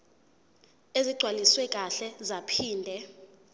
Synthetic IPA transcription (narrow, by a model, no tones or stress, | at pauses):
eziɡ͡ǀʱwaliswɛkʼaɬɛzapʰiːndʱɛ